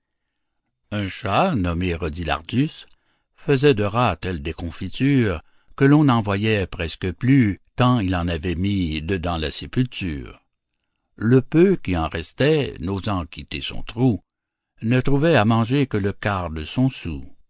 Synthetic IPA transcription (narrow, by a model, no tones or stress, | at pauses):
ɛ̃ʃanɔmeʁɔd̪ila̰ʁd̪ys | fəzɛd̪əʁat̪ɛld̪ekɔ̃fit̪yːʁ | kəlɔ̃nɑ̃vwajɛpʁɛskəplykɑ̃ilɑ̃navɛmid̪əd̪ɑ̃la̰sepylt̪y̰ːʁ | ləpøkʲiɑ̃ʁɛst̪ɛnozɑ̃kʲʰit̪esɔ̰̃t̪ʁu | nət̪ʁuvɛamɑ̃ʒekələkaʁd̪əsɔ̃su